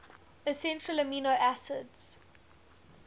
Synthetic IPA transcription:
əsɛ̃ntɹələmiːnoʔæsɪdz̥

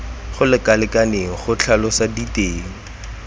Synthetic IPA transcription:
χʊlɪkalɪkʼaneŋ̩χʊt͡ɬʰalʊsaditʼeːŋ̩

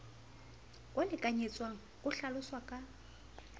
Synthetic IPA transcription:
kʼwalɪkʼaɲet͡sʼwaŋ̩ | kʼʊɬalʊswakʼa

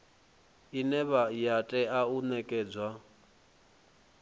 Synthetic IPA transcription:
inɛβajatʼɛaunɛkʼɛːd͡zwa

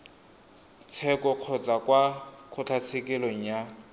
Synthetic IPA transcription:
t͡sʰɛkɔq͡χʰɔt͡sʼakwakʰʊt͡ɬʰat͡sʰekɪloŋ̩ja

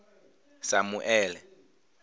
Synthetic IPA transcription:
samuʔɛːlɛ

